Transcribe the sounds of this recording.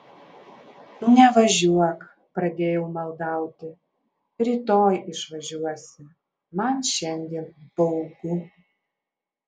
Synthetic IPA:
nʊnʲɛʋɐʒʲuɔk | pɾɐd̪ʲeːjɛʊmɐlˠd̪ɐˑʊt̪ʲɪ | ɾʲiːt̪oːjɪʃʋɐʒʲuɔsʲɪ | mɐnʃʲɛnʲd̪ʲiːnb̥ɐʊɡʊ

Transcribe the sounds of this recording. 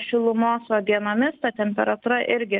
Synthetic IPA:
ʃʲʊlˠʊmoːsoːɡ̪ʲiɛnoːmʲɪst̪ɐt̪ʲɛmʲpʲɛɾɐt̪uːɾɐʔɪɾʲɡʲɪ

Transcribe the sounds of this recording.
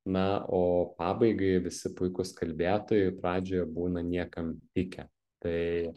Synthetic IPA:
nɐoːpɑːbɐɪɡɐɪʋʲɪsʲɪpʊɪkʊskɐlʲbʲæːt̪oːjɛɪpɾɑːd͡ʒʲoːjɛbuːnɐnʲiɛkɐmt̪ʲɪkʲɛ | t̪ɐɪ

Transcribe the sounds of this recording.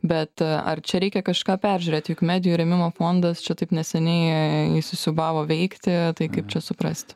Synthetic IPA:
bʲɛt̪ɐ̰rt͡ʃʲɛɾʲɛɪkʲɛkɐʃkɑːpʲæɾʲʒʲʉːɾʲeːt̪ʲjʊkmʲæːd̪ʲɪjuɾʲɛmʲɪmoːfoːnd̪ɐst͡ʃʲɛt̪ɐɪpnʲɛsʲɛnʲɛɪɪsʲʊsʲʊbɑːʋoːʋʲɛɪkt̪ʲɪt̪ɐɪkɐɪp̚t͡ʃʲɛsʊpɾɐsʲtt̪ʲ

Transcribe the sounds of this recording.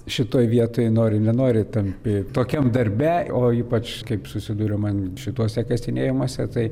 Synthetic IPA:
ʃʲɪt̪oːjʋʲiɛt̪oːjnoːɾʲɪnʲɛnoːɾʲɪt̪ɐmʲpʲɪt̪oːkʲɛmd̪ɐɾʲbʲæoːiːpɐt͡ʃkɐɪpsʊsʲɪd̪uːɾʲɛmɐnʃʲɪt̪uɔsʲɛkɐsʲt̪ʲɪnʲeːjɪmuɔsʲɛt̪ɐɪ

